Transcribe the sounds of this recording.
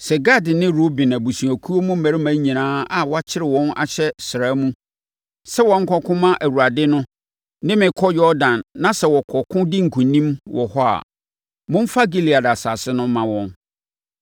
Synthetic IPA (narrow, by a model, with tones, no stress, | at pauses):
sɛ˨ɡa˦dɪ˨nɪ̃˦ɾo˦bi˨nã˨bu˨sũ˨æ˨kʰu˦o˦mʊ̃˦m̩˦mæ̃˨ɾɪ˦mæ̃˨˦ɲĩ˨nãː˦a˨wɔ˦a˦t͡ɕʰɪ˦ɾɪ˨wɔ̃˦na̰˨ɕʰɛ˦sɪ˨ɾaː˦mũ˦ | sɛ˦wɔ̃˨ŋ̩˦kʰɔ˦kʰʊ̃˦mã˦ʔæ˨wu˨ɾa˨dɪ˦nʊ̃˦ | nɪ̃˦mɪ̃˨kʰɔ˦jɔ˦dã˨nːã˦sɛ˨wɔ˨kʰɔ˨kʰʊ̃˦dɪ˦ŋ̩˨kʰũ˨nĩ˦mwɔ˨hɔ˦a̰˨ | mʊ̃˦m̩˦fa˦ɡi˦li˨a˨da˨sa˨sɪ˦nʊ̃˦mːã˨wɔ̃˦n